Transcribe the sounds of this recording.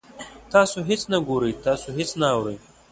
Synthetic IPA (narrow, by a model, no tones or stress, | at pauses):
t̪aːsoɦit͡snɐɡoɾəjt̪aːsoɦit͡snaːwɾəj